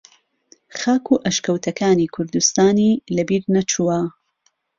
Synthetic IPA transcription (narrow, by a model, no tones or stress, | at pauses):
xaːkʰuːʔɐʃkɐwt̪ʰɐkʰaːniːkʰʊɾd̪ust̪aːniːlɐbiːɾnɐt͡ʃʰuwɐ